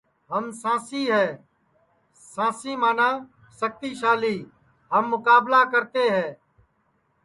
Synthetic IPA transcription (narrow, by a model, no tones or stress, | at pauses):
ɦəmsãːsiːɦɛː | sãːsiːmaːnãː | sək̚t̪iːʃaːliː | ɦəmːʊkaːblaːkəɾt̪eːɦɛ̃ː